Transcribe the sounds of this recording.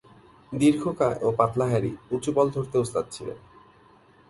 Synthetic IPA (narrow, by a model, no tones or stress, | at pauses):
d̪iɾɡʰʱokaʔopat̪laɦaɾḭut͡ɕubɔld̪ʱoɾt̪eust̪at̪̚t͡ɕʰilḛn